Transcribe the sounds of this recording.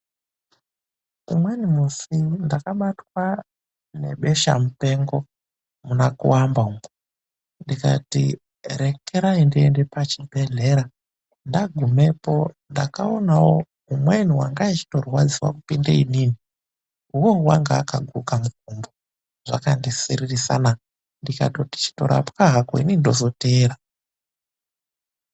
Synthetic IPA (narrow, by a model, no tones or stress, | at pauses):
ṵmwenimusindakaɓatwa | ne̞̰ɓe̞ʃa̰mupe̞ŋɡo | munakṵwambaumu | ndika̰tḭ | ɾe̞keɾaindiende̞pat͡ʃibʱe̞ɮe̞ɾa | ndaɡʱume̞po̞ | ndakaonawo | umwen̤uwaŋɡait͡ʃi̥to̞rwad͡ziwa̰kupindainini | uwowaŋɡaːkaɡʱukamuɡ̚ʱumbo | ʐ̥akandisiririsa̰na | ndika̰toti̥t͡ʃi̥to̞̰ɾʔa̰pkaɦako̰inindo̞zo̞teːɾa